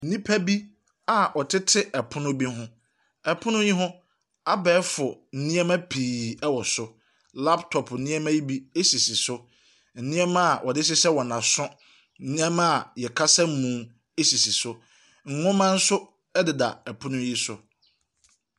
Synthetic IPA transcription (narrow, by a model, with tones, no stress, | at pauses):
n̩˨nĩ˦pʰæ˦bi˦ | a˨ʔɔ˨tʰɪ˦tʰɪ˦ʔɛ˨pʰʊ˦nʊ̃˦bi˦ɦʊ̃˦ | ɛ˨pʰʊ̃˦nʊ̃˦ji˦ɦʊ̃˦ | a˦bɛ˨˦fʊ˨n̩˨nĩ˦ɛ˦mã˦pʰiː˨ɛ˦wɔ˨sʊ˦ | la˦btʰɔ˨pʰn̩˨nĩ˦ɛ˦mã˦ji˦bi˦e˦si˨si˨sʊ˦ | n̩˨nĩ˦ɛ˦mã˦˨ʔɔ˨dɪ˦s̬ɪ˦sɛ˦wɔ˨nã˨sʊ̃˦ | nĩ˦ɛ˦mã˦˨jɛ˨kʰa˦sɛ˦m̩˦mũː˨ | e˦si˨si˨sʊ˦ | ŋ̩˨ŋʊ̃˦mã˦n̩˦sʊ˦ | ɛ˦dɪ˨da̰˨ɛ˨pʰʊ̃˦nʊ̃˦ji˦sʊ˨